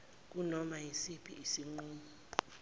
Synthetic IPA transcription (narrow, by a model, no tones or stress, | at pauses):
k̬ʼunɔmajisipʰiʔisiŋ͡ǃuːmɔ